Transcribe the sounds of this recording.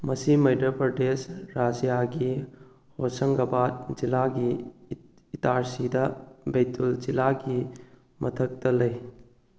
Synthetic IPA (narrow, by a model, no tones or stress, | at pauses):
mɐsimɐjdɐpɾɐdesɾad͡ʒijaɡi | hosɐŋɡɐbat̚zilaɡiː | taɾsidɐbejtulzilaɡi | mʔɐtʰɐk̚tɐlɐj